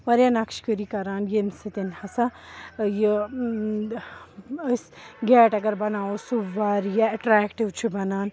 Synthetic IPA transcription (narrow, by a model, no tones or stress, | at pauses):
ʋɐɾjanɐkʃkəɾikɐɾaːnjensɐt̪inhɐsaji | əsɡeːʈɐɡɐɾbɐnaːosuʋaɾjaɐʈɾaːkʈiʋt͡ʃʰibɐnaːn